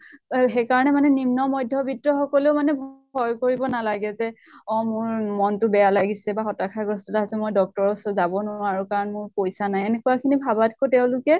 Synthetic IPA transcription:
ɦejkaɹɔnɛmanɛnimnɔmɔjdʱːɔbitɹɔxɔkɔleʊmanɛb | ɔjkoɹibɔnalaɡɛzɛ | ɔ̃mʊɹmɔntʊbɛjalaɡisɛbaxɔtakʰaɡɹɔstɔtaɦazɛmojdɔk̚tɔɹɔsɔzabɔnʊaɹukaɹɔnmʊɹpojsanajenekuwakʰinibʱabatkotɛʊ̃lʊkɛ

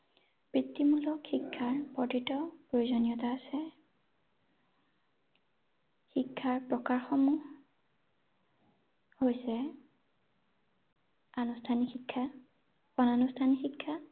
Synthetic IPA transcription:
bɹitːimulɔkxikʰːaɹpɔtitɔpɹojozɔnijɔtaːsɛ | xikʰːaɹpɹɔkaɹxɔmu | hojsɛ | anustʰanixikʰːa | ɔnanustʰanixikʰːa

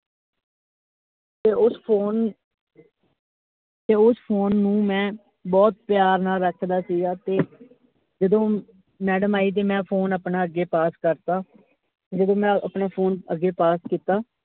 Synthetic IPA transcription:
t̪eːʊspʰoːn | t̪eːʊspʰoːnːũːmɛ̃ː | bɔːt̪̚pɪjaːɾnaːlɾəkʰd̪aːsiːɡaːt̪eː | d͡ʒəd̪õː | mɛːɖəmaːiːt̪̬eːmɛ̃ːpʰoːnəpnaːəɡeːpaːskəɾt̪aː | t̪eːd͡ʒəd̪õːmɛ̃ːəpnaːpʰoːnəɡːeːpaːskiːt̪aː

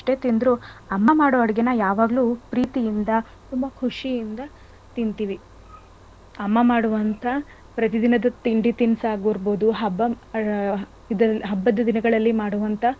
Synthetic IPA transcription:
ɐʂʈe̞ːt̪ind̪ɾuɐmːɐmaːɽoːɐɽɐɡenɐjaːʋaːɡlupɾiːt̪ijind̪ɐ | t̪umbɐkʰuʂijind̪ɐ | t̪int̪iʋi | ɐmːɐmaːɽuʋɐnt̪ʰɐ | pɾɐt̪id̪inɐd̪ɐt̪iɳɖit̪insaːɡoːɾboːd̪uɦɐbːɐ | id̪ɐɦɐbːɐd̪ːɐd̪inɐɡɐɭɐlːimaːɽuʋɐnt̪ʰɐ

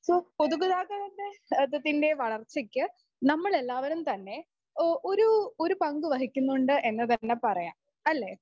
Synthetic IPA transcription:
soːpoðukuðaːkːɐɽɐndeɐt̪ːɐt̪ːinde̞ʋɐɭɐrt͡ɕːikʲːɨ | nɐmːɐɭe̞lːaːʋɐɾumt̪ɐnːe̞ | o̞ɾuoɾupɐŋɡɨʋɐɦikʲːunːuɳɖɨʔe̞nːɐt̪ɐnːe̞pɐrɐja̰ːm | ɐlːe̞ː

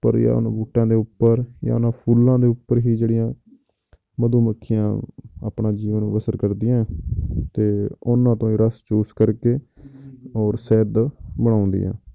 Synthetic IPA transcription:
pə̰ɾja̰ːʊ̰nãːbuːʈːãːd̪eːʊpːəɾja̰ːʊnãːpʰuːlãːd̪eːʊpːəɾɦiːd͡ʒeːɽɪjãː | məd̪uːməkʰːɪjã̰ːa̰ːpɳãːd͡ʒiːʋənbəsəɾkəɾd̪ɪjãːɛt̪eːʊnãːt̪õːiːɾəst͡ʃuːskəɾkeː | ɔːɾsɛːd̪bəɽ̃aːʊ̃nd̪ḭjã̰ː

